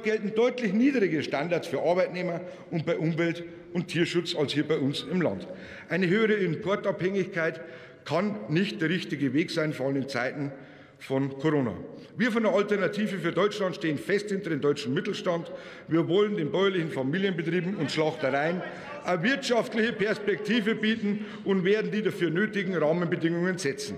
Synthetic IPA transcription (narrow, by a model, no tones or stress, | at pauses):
ɡ̥ɛltn̩dɔʏtlɪçniːdʁɪɡəʃtandaɐtt͡ssfyːɐʔɑɐbaɪtneːmɐ | ʊntb̥aɪʔʊmvɛlt | ʊntʰːiːɐʃʊt͡sɑlshiːɐbaɪʊnsɪmlɑ̰nt | ʔaɪnəɦøːəʁ̞əɪmpʰɔɐtɑphɛŋɪçkʰaɪt | kʰɑnːɪçtd̥eːɐʁɪçtɪɡəveːksaɪnfoːɐɑləmɪnt͡sa̰ɪtn̩ | fɔnkʰoʁoːna̰ | viːɐfɔndeːɐaltɛɐnatʰiːvəfyːɐdɔʏt͡ʃlantʃteːənfɛsthɪntɐdeːmdɔʏt͡ʃn̩mɪtl̩ʃtɑnt | viːɐvɔləndeːnbɔʏɐlɪçn̩famiːljənbətʁ̥iːbm̩ʊntʃlɑχtəʁaɪən | ʔavɪɐtʃɑftlɪçəpɛɐspɛk̚tʰiːvəbiːtn̩ | ʔʊntveːɐdn̩diːdafyːɐnøːtɪɡŋ̩ʁɑːmənbədɪŋʊŋənzɛt͡sn̩